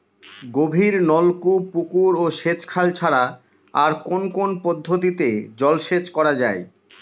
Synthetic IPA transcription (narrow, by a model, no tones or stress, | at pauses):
ɡobʱiɾnɔlkupukuɾoʃet͡ɕkʰalt͡ɕʰaɾa | aɾkonkonpod̪ʱːot̪̬it̪ed͡ʑɔlʃet͡ɕkɔɾad͡ʑae